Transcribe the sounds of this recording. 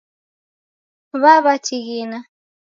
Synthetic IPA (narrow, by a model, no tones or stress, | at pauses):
βaβat͡ʃiɣina